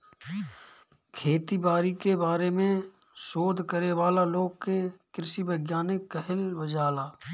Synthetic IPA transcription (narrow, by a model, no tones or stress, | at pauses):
kʰeːt̪ibaːɾikebaːɾemẽ | ʃoːd̪ʱkəɾeʋaːlaloːɡ̚kekɾɪʃibəɡjaːnɪkːəɦɪlʋəd͡ʒaːlaː